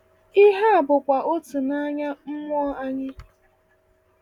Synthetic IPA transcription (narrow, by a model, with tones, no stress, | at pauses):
ɪ˦ɦa˦a˨bʊ˨kʷa˨ʔo˦tʊ˨na˦ɲa˦m̩˦mʷ˦ɔ˦a˦ɲɪ˦